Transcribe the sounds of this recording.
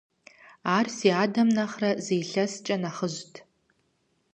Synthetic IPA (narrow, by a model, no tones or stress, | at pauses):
aːrsiaːdɐmnaχrɐzejɬɐst͡ʃʼɐnaχəʒʷtʰ